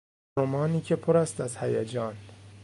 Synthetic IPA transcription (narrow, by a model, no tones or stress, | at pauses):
omɒːniːcʰe̞pʰoɾæst̪æzhæjæd͡ʒɒːn